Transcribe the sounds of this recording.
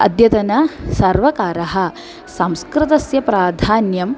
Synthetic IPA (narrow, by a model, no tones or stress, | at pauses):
ɐ̰d̪jɐt̪ɐnɐsɐɾʋɐkaːɾɐɦɐ̆ | sɐmskɾɪt̪ɐsjɐpɾaːd̪ʱaːnjɐm